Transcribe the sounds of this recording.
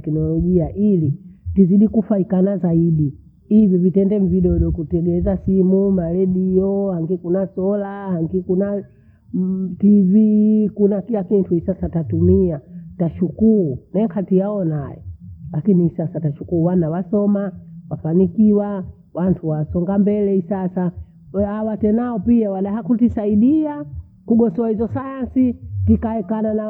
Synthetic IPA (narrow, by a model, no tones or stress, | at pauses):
ɛknɔlɔʄiaʔilitiziɗikufaikanazaiɗi | ivivitɛndɛmviɗɔɗɔkutɛɡɛzasimumalɛɗiɔhaŋɡikunasɔlahaŋɡikuna | tivikunakilakintʰuhisasatatumiataʃukuɾunɛŋkʰatijaɔnajɛ̰lakiniisasataʃukuɾuwanawasɔmawafanikiwa | wantʰuwasɔŋɡambɛlɛisasa | hawatɛnaɔpiawaɗaɦakutisaiɗia | kuɡɔsɔahizɔsajansitikaɛkanana